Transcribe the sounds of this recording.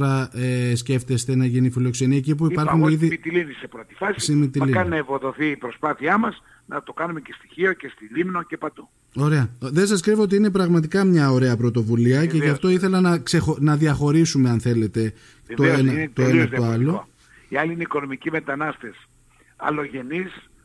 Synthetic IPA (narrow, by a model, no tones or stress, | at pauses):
ɾɐesce̞ft̪e̞st̪e̞nɐʝinifilo̞kse̞niɐecip̬uipɐɾxuniðit̪ilinisepɾot̪i̥fɐsisimit̪iikɐninɐevoðo̞θiːpɾospɐθiɐmɐs | nɐt̪o̞kɐnumecest̪i̥çio̞cest̪iʎimnoce̞pɐt̪u | o̞ɾe̞ɐðe̞nsɐskɾivoot̪iine̞pɾɐɣmɐt̪ikɐmɲɐo̞ɾe̞ɐpɾo̞t̪o̞vuliɐce̞ʝɐft̪o̞iθe̞lɐnɐksexonɐðiɐxo̞ɾisume̞ɐnθe̞le̞t̪e̞ | t̪oenɐt̪oeɐoɐlo | iɐliineiko̞no̞micime̞t̪ɐnɐst̪e̞s | ɐ̰lo̞ʝe̞nis